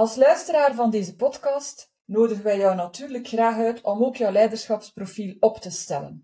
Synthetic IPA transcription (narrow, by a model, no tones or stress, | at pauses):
ɑlˠslœɥstəɾaːrvɑndeːzəpɔtkɑːst | noːdəɣəʋɛjœwnɑtyːrləkxraːxœɥtɔmoːkjœwlɛjdərsxɑpsprofiːlɔptəstɛlə̰n